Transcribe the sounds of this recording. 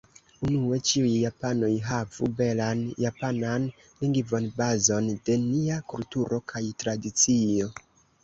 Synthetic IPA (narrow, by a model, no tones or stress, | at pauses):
unue̞t͡ʃiujːapano̞jɦavṵbe̞lanjapanan | liŋɡivo̞nbazo̞nde̞niakultuɾʔo̞kʰajtɾadit͡sio̞